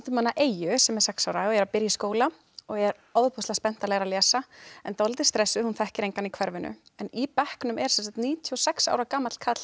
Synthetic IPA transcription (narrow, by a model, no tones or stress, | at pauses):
t̪ʏmanːaʔeːjʏsɛmɛɾ̥sɛksaːwɾaɔɣɛɾapɪɾjaskoːwla | ɔɣɛɾ | ɔðpʰɔst̪aspɛn̥t̪alɛɣɾalɛːsaɛnt̪ɔlt̪ɪ̥st̪ɾɛsːʏhunθɛhcɪɾejŋkanikʰvɛɾvɪnʔʏ̰ɛnipɛhknʏmɛɾ̥sɛnsakt̪niːt̪ʰiɔsɛksa̰ːwɾakaːmat̪l̥kʰat̪l̥